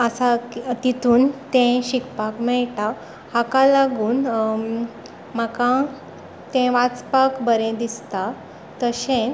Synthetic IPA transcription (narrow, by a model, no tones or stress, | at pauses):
əsakt̪it̪ʰuːnt̪ɛ̃ɕikpakmɛɭʈa | hakalaɡuːn | m̤akã | t̪ɛ̃ʋat͡spakbəɾẽd̪ist̪a | t̪əɕẽ